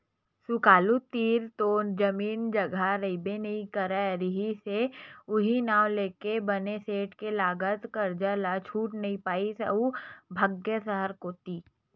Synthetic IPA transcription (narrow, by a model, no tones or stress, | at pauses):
sʊkaːlut̪iːɾt̪oːnd͡ʒɐmiːnd͡ʒɐɡʱaɾɐɪbenɐɦĩkəɾaɾɪɦiseʊɦinaːwleːkebəneseːʈkelaːɡət̪kəɾd͡ʒəlat͡ʃʰuːʈnɐɦĩpaːisə̰ubʱəɡjəsəɦəɾkoːt̪iː